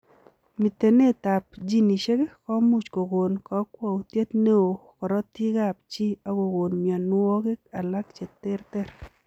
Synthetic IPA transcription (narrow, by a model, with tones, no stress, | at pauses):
mi˨t̪e˨ne˦t̪a˨p̚d͡ʒi˦ni˨ʃe˦ke˦kɔ˦mu˦t͡ʃko˨ɡo˨nkɔ˨˦kwɔ˦˨u˨t̪je˦t̪ne˦o˨kɔ˨ɾɔ˦t̪i˦ɡa˦p̚t͡ʃi˦a˦ko˨ɡo˨nmja˨nʊ˦ɔ˦ke˦ka˨la˦k̚t͡ʃe˨t̪ɪ˦ɾt̪ɛ˦˨ɾ